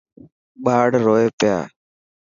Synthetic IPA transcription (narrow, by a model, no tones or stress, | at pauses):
ɓaːɽɾoːeːpɪja̰ː